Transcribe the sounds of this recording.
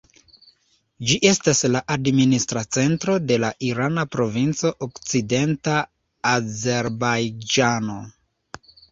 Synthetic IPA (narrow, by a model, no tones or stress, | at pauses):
d͡ʒiʔe̞staslaʔadministɾat͡se̞ntɾo̞de̞laʔiɾanapɾo̞vint͡so̞ʔokt͡side̞ntaː | ze̞ɾbajd͡ʒano̞